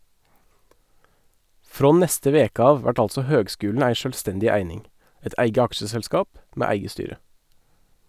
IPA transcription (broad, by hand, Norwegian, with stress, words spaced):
ˈfɾoː ˈnɛstə ˈʋeːkə ˈɑːʋ ˈʋæʈ ˈɑlsɔ ˈhøːɡˌskʉːln ˈæɪ ˈʃøːlˌstɛndɪ ˈæɪnɪŋ ˈɛt ˈʔæɪɡə ˈɑkʃəsɛlˌskɑːp ˈmeː ˈæɪɡə ˈstyːɾə